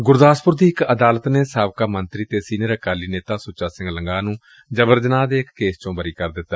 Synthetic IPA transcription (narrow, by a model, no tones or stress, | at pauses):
ɡʊɾd̪aːspʊɾd̪iːɪkəd̪aːlət̪neːsaːʋkaːmənt̪ɾiːt̪eːsiːnːɾəkaːliːneːt̪aːsʊt͡ʃaːsɪ̃ŋɡləŋɡaːnũː | d͡ʒəʋəɾd͡ʒənaːd̪eːɪkːeːst͡ʃõːbəɾiːkəɾd̪ɪt̪ːa